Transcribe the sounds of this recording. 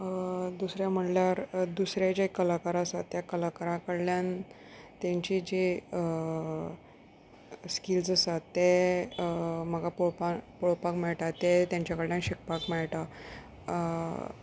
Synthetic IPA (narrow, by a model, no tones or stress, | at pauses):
d̪usɾjam̤əʈljaɾd̪usɾjad͡ʑekːəlakaɾasat̪ːjakəlakaɾãkəɽljan | t̪jãɲt͡ɕid͡ʑe | skild͡zəsat̪ːe | m̤əɡapoɭpapoɭpakmɛɭʈat̪et̪jãɲt͡ɕakəɽljanɕik̚pakmɛɭʈa